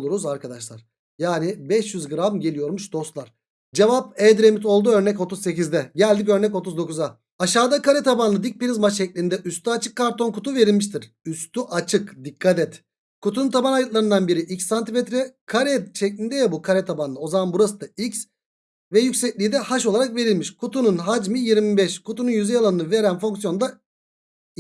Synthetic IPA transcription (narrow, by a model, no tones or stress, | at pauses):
lˠuɾuzaɾkʰad̪aʃlˠaɾ̥ | jaːnibɛʃjyzɡɯɾamɟe̞lʲijo̞ɾmuʃd̪o̞st̪lˠaɾ̥ | d͡ʒevap̚ɛːd̪ɾe̞mit̪̬ʰo̞lˠd̪uø̞ɾnɛco̞t̪ʰuzse̞cizd̪ɛɟælʲd̪icø̞ɾnɛco̞t̪uzd̪o̞kuza | aʃaːd̪akaɾɛt̪ʰabanlˠɯd̪ic̚piɾizmat͡ʃt͡ʃːɛcʲlʲind̪ɛʔyst̪ʰyat͡ʃʰɯkʰːaɾt̪ʰo̞nkut̪ʰuve̞ɾilʲmiʃt̪ʰiɾ̥ | yst̪ʰyʔat͡ʃʰɯkd̪ikʰːat̪ɛt̪ | kut̪ʰununt̪ʰabanajɯk̪lˠaɾɯnd̪anbiɾiʔicsːant̪ʰimɛt̪ɾɛkʰaɾɛt͡ʃʰɛclʲind̪ɛjabukʰaɾɛt̪ʰabanlˠɯo̞zamanbuɾasɯd̪aics | vɛjycsɛclʲid̪ɛhaʃo̞lˠaɾakve̞ɾilʲmiʃkʰut̪ʰununɦad͡ʒmijiɾmibɛʃkʰut̪ʰununjyzɛjalˠanɯnɯve̞ɾænfoŋksjo̞nd̪a